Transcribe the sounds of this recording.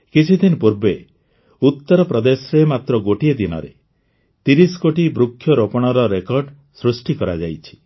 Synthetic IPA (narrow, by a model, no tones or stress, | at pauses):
kit͡ʃʰid̪inpuɾbe | ut̪ːɔɾɔpɾɔd̪esɔɾemat̪ɾɔɡoʈied̪inɔ̰ɾe | t̪iɾisɔ̥koʈibɾukʰːjɔɾopɔɽ̃ɔɾɔɾekɔɾɖ | sɾusʈikɔɾad͡ʒa̰jt͡ʃʰi̥